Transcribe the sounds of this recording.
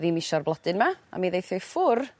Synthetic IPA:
viːmiʃɔrblˠɔdɨnmaa̰miðejθjɔjfʊr

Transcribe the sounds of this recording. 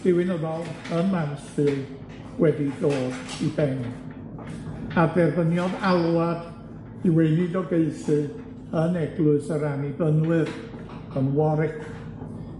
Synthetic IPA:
d̥ɪwɪnəðɔlˠənmansfɨl | wɛdidoːdibɛn | adɛrvənjɔðalˠwad | iweɨnɨdɔɡeɨθɨ | ənɛɡlˠʊɨsəɾanibənwɨr | ənwɔɾɪkʰ

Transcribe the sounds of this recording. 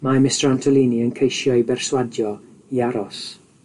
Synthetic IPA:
mamɪstrantʰɔlˠiniənkʰejʃjɔɨjbɛrswadjɔ | iaɾɔs

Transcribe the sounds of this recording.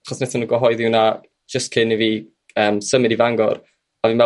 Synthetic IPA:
aχɔsnɛθənəɡwɔɦɔɨðiwnḁ | d͡ʒ̥əstkʰɪniviː | əːmsəmɨɾivaŋɡɔ̰r | avɨnmvɛ

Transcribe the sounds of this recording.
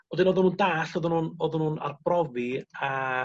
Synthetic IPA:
wɛdɪnoːðʊnuːndaːɬɔðʊnuːnɔðʊnuːna̰rbrɔvia

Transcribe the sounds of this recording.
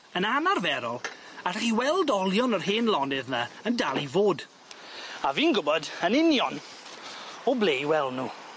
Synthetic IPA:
ənanarvɛɾɔlˠarɛχiwɛlˠdɔlˠjɔnərɦeːnlˠɔnɪðnaəndalˠivoːd | aviːnɡʊbɔdənɪnjɔn | ɔblejwɛlˠnuː

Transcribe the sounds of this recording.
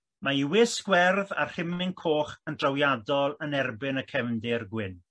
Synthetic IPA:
maiwɪskwɛrða̰r̥hɪmɪnkʰoːχəndrawjadɔlˠənɛrbɪnəkʰɛvndɪrɡwɪn

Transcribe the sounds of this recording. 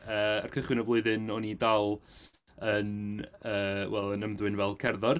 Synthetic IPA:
əːarkʰəχwɪnɔvlˠʊɨðɨnɔnidalˠ | ənəːwɛlˠənəmðwɨnvɛlˠkʰɛrðɔr

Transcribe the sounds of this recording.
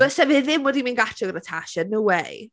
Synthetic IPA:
əsɛvɪðɪmwɛdiminɡatʰɔɡəɾətʰaʃənuwɛj

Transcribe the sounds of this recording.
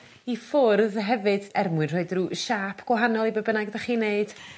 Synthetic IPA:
ifʊrðɦɛvɨd̥ɛrmwɨnr̥oɨdruʃaːpʰɡ̥wɔɦanɔlˠibəbənaɡðɛχiːneɨd̥

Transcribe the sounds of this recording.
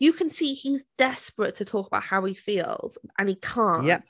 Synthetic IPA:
jəkʰə̃nsiːizd̥ɛspɹətʰətʰɔˑkəb̥aʊʔ̚haʊifiːlˠz̥ʔə̃nikʰɑ̃ˑnjɛ

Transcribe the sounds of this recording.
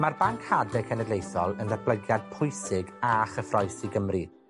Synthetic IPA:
marbaŋkhadɛkʰɛnɛdlejθɔlˠəndab̥ləɡjad̥̚pʰʊjsɪɡaχəfrɔjsiɡəmri

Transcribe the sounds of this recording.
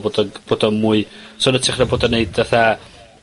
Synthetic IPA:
boːdɔb̥oːdɔmuːɨsoːnətʰɪχnaboːdɔneɨdaθa

